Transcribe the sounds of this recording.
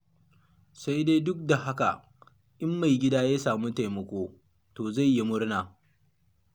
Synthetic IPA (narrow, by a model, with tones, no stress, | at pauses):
sa˦jdeː˦dʊ˦k̚da˨ha˦ka̰˨ | ʔɪ˦mːa˨jɡʲɪ˦daː˦ja˦saː˨mu˦ta˨jmɐ˨kʷoː˦ | toː˨za˦˨jːi˦mʊ˦ɽnaː˨